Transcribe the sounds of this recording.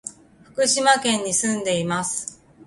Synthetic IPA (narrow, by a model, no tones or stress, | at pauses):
ɸɯ̟̥kɯ̟ɕimakẽ̞ɲ̟ːisɨ̃nd̪e̞imasɨ̥